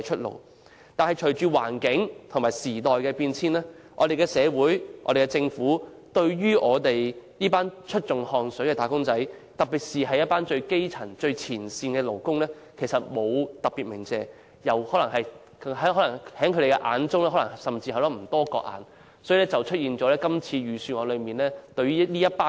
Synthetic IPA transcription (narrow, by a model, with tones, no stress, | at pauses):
jt͡ʃʰɵ˥t̚lo̰˨˩w | t̪aː˨nhɐ˨jt͡ʃʰɵ˨˩ɥt͡ʃyː˨˧wa̰ː˨˩nkɪ˨˥ŋt̪ʰmaː˨˩jsiː˨˩t̪ɔː˨jkɛː˧piː˧nt͡sʰiː˥nlɛː˥ | ʔɔ̰ː˨˧ɾe˨jkɛː˧sɛː˨˧wuː˨˥jʔɔ̰ː˧ɾe˨˩kːɛ˧t͡sɪ˧ŋfuː˨˥ | t̪ɵ˧ɥjyː˥ʔɔː˨˧t̪e˨jjiː˥paː˥nt͡ʃʰɵ˥t̚t͡ʃʊ˨ŋhɔː˧ŋsɵ˨˥kɛː˧t̪aː˨˩kʊ˥ŋt͡sɐ˨˥jt̪ɐ˨k̚piː˨˩t̚siː˨ɦɐ˨jt̚paː˥nt͡ʃɵ˧ɥke˥jt͡sʰɐ˨˩ŋt͡ʃɵ˧ɥt͡sʰiː˨˩nsiː˧nkɛː˧lo˨˩wkʊ˥ŋlɛː˥ | kʰe˨˩jsɐ˨t̚mo˨˧wt̪ɐ˨p̚piː˨t̚mɪ˨˩ŋt͡sɛː˨˧ | jɐ˨whɔː˨˥lɐ˨˩ŋɦɐ˨˩j | ɦɐ˨˥hɔ˨˥lɐ˨˩ŋhɛː˨˥ŋkʰɵ˧ɾe˨˩kɛ˧ʔa̰ː˨˧nt͡sʊ˥ŋlɛː˥ɦɔ˨˥lɐ˨˩sɐ˨mt͡siː˧hɐ˨˥wlɔ˨˥˩m̩˨˩t̪ɔː˥kɔ̰ː˧k̚ʔa̰ː˨˧n | sɔ˨˥yː˧lɛː˥t͡sɐ˨wt͡ʃʰɵ˥t̚jiː˨nt͡ʃɔ˨˥lɛː˥kɐ˥mt͡sʰiː˧ɥyː˨˧syː˧nŋɔː˨˧lɵ˨˧ɥmiː˨nlɛː˥t̪ɵ˧ɥyː˥liː˥jɐ˥t̚paː˥